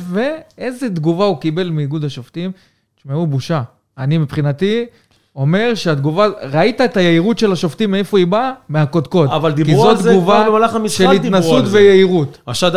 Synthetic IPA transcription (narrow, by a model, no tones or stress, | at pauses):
ve̞ezed̪ɡuvaukibe̞lmiːɡud̪aʃoftim | ʃmeubuʃaː | nimipχinat̪i | o̞me̞ʁʃead̪ɡuvaʁait̪aet̪ajeiʁutʃe̞laʃo̞ft̪imːeefoibameako̞d̪ko̞tavald̪ibkizod̪ɡuvabemalaχamisʃealitnasut̪vejeiʁut̪aʃad̪